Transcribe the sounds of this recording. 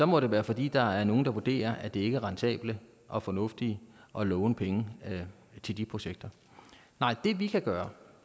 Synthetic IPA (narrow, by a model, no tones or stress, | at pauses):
sɒ̽mɒ̽ɾ̥e̝ʋæːɐfɒ̽d̥ḭːd̥ɑ̈æɐno̝ːn̩d̥ɑ̈ʋud̥e̝̰ːɐʔæd̥e̝e̝ɡ̥əæʁɑ̈nt͡sʰɛ̰ːb̥lə | ʔɒ̽fɒ̽nɔ̽fd̥iʔɒ̽lɔːʊnəpʰeŋə | t͡sʰe̝ld̥ipʰʁo̝ɕeɡ̥̚d̥ɐ | nɑ̈ɪ̰d̥e̝ʋikʰæɡ̥ɶːɐ